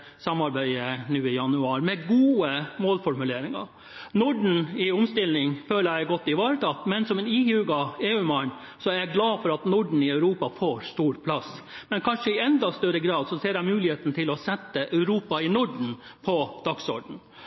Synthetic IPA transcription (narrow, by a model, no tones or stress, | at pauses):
sɑmːɑɾbæɪənʉːɪjɑnʉɑːɾmɛɡuːəmoːlfɔɾmʉleːɾɪŋɑ̰ | nʊɖɳ̩ɪʊmst̪ɪlnɪŋføːləɾæɪɡɔt̪ːɪʋɑːɾət̪ʰɑt̪ːmɛnsɔmɛniːhʉːɡɑeːʉːmɑɳ | sɔæɾjæɡlɑːfɔɾɑt̪nʊɖɳ̩ɪɑʉɾuːpɑfoːɾst̪uːɾpʰlɑsmɛnkʰɑnʂəɪɛnd̪ɑst̪œɾəɡɾɑːd̪sɔseːɾæɪmʉːlɪheːt̪nət̪ʰɪlɔsɛt̪ːəʔɑʉɾuːpɑɪnʊɖɳ̩ | pʰɔd̪̥ɑksɔ̰ɖɳ̩